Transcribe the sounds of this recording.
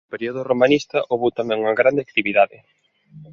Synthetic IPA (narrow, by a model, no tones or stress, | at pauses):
peɾioðoromanist̪ɐʔoβuwt̪amɛ̃ŋuŋɐɣɾand̪eak̚t̪iβiðaðɪ